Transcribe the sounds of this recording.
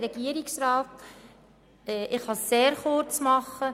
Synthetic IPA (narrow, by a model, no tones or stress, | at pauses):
ɾɛɡ̥iəɾiksrɑːt̪ | ɛʔɪχhɑsːeːɾχʊɾt͡smɑχːə